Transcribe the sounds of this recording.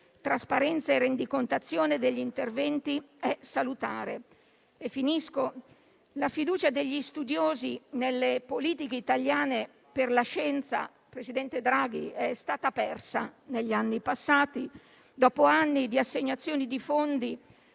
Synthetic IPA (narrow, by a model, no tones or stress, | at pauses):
t̪ɾaspaɾɛnt̪saerːend̪ikont̪at̪sːjoːned̪eʎːint̪ervɛnt̪iɛsalut̪aːɾḛ | efːinisko | lafid̪uːt͡ʃad̪eʎːist̪ud̪joːzinelːepoliːt̪ikeit̪aljaːne | perlaʃɛnt̪sa̰ | pɾesid̪ɛnt̪ed̪ɾaːɡ̟iɛst̪aːt̪apɛrsaneʎːianːipasːaːt̪i | d̪ɔːpoanːid̪iasːeɲːat̪sːjoːnid̪ifond̪i